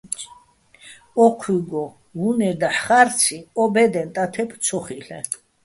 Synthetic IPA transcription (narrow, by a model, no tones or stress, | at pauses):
ɔqʰwiɡɔ | ɦunɛd̪aħχaɾt̪t͡sʰiɔbɛd̪ɛnt̪ʼat̪ʰɛp̪ʰsʰɔχilɛ̰